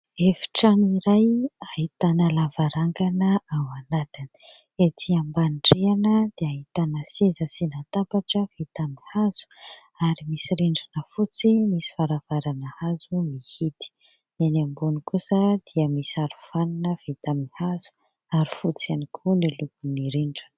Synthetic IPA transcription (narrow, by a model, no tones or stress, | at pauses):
efi̥ʈ͡ʂaniɾajaɦit̪anəlavaɾaŋɡanəawanat̪ini̥ | et̪ʰiambanʈ͡ʂeanəd̪̥eaɦit̪anəsezəsinat̪apaʈ͡ʂəvet̪amihaz̥u̥ | aɾimisiɾiɳɖ͡ʐanəfut͡simisi̥faɾav̥aɾanəhazumihit̪i̥ | nenambunikusəd̪̥iəmisiaɾuv̥aninəv̥et̪amihazu̥ | aɾifut͡sianikʰunilupuniɾiɳɖ͡ʐan